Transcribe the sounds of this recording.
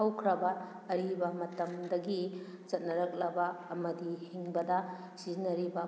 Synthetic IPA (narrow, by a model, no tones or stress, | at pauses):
ɐwkʰɾɐbɐː | ɾibɐmɐtɐmdɐɡi | t͡ʃɐt̚nɐɾɐk̚lɐbɐːmɐdihiŋbɐdɐ | sizinɐɾibɐ